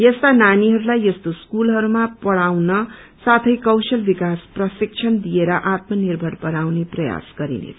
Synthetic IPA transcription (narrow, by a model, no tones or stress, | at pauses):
jʌst̪ananiɦʌɾulajʌst̪oskulɦʌɾumapʌɽawnʌ | sat̪ʰʌjkʌwsʌlbikasprʌsik̚t͡ʃʰʌnd̪ijeɾʌʔat̪mʌnirbʱʌɽpʌɽawneprʌja̰sɡ̥ʌɾḭnḛt͡sʰ